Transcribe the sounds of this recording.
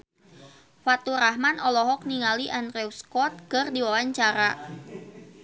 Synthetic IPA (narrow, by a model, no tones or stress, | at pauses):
fat̪uɾahmanɔlɔɦɔk̚niŋaliʔanrɛwskɔt̪̚kɨrdiwawaɲt͡ʃaɾa